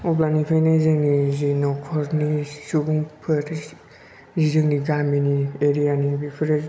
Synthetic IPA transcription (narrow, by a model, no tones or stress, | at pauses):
ɔplanipʰajnazɯŋnizinɔkʰɔɾnisuɡuŋpʰɯɾʰ | zizɯŋniɡaminieɾijanibipʰɯɾe